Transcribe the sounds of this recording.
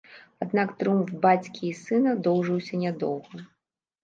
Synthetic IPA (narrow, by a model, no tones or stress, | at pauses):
ad̪nakt̪ɾɨumfbat͡sʲkʲiːsɨnɐd̪ɔwʐɨwsʲɐnʲad̪ɔ̰wɣɐ